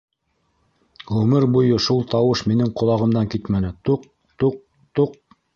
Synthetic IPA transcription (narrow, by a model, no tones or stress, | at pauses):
ʁɵmɘɾbujɤʃulˠt̪ɑwɤʃminɘɴqŏlˠɑʁɤ̆md̪ɑŋkit̪mænɘt̪uq̚ | t̪uq̚ | t̪uq̚